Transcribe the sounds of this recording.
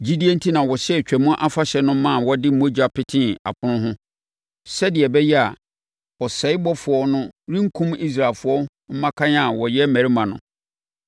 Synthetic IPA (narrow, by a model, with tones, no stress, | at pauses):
d͡ʑi˦di˦e˦n̩˦tʰi˦nã˨wɔ˨ɕɛ˦˨t͡ɕᶣæ˨mʊ̃˦ʔa˦fa˦ɕɛ˨nʊ̃˦mã˦˨wɔ˦dɪ˦m̩˦mo˦d͡ʑa˨pɪ˦tʰɪ̃˦a̰˨pʰʊ̃˦nʊ̃˦ɦʊ̃˦ | sɛ˦dɪ˨ɛ˨bɛ˦jɛ˦a̰˨ | wɔ˨sɛ˨˦ɪ˦bɔ˦fʊ˨ɔ˦nʊ̃˦ɾĩ˦ŋ̩˦kʰũ˦mi˦s̬ɾa˨lfʊ˨ɔ˦ | m̩˦mã˦kʰã˦ɲ˦a˨wɔ˨jɛ˦mæ̃˨ɾi˦mã˨nʊ̰̃˨